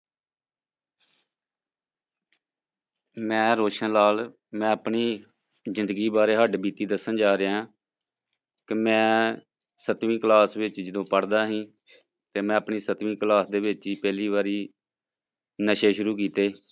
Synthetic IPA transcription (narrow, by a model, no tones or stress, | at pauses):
mɛ̃ːɾoːʃənlaːl | mɛ̃ːəpɳiː | zɪ̃nd̪əɡiːbaːɾeːɦəɖbiːt̪iːd̪əsənd͡ʒaːɾeãː | kemɛ̃ː | sət̪ʋĩːklaːsʋɪt͡ʃd͡ʒɪd̪õːpəɽd̪aːɦĩː | t̪eːmɛ̃ːəpɳiːsət̪ʋĩːklaːsd̪eːʋɪt͡ʃiːpɛːliːʋaːɾiː | nəʃeːʃʊɾuːkiːt̪eː